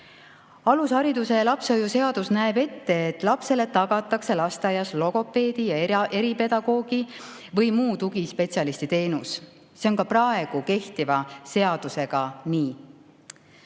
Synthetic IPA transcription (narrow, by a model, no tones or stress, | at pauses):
ɑlushɑɾid̪use̞jɑlɑpsojuse̞ɑd̪̥usnæebe̞t̪ːe̞ːt̪ːˑlɑpse̞le̞t̪ɑɡ̥ɑt̪ːˑɑkse̞lɑst̪ɑjɑslo̞ɡ̥o̞pːe̞ːd̪̥ijɑee̞ɾipe̞d̪̥ɑɡ̥o̞ːɡ̥i | vɤ̞jmuːt̪uɡispe̞t̪sʲjɑlist̪it̪e̞ːnus | se̞o̞nkɑprɑe̞ɡ̥uke̞ht̪ivɑse̞ɑd̪̥use̞ɡ̥ɑniː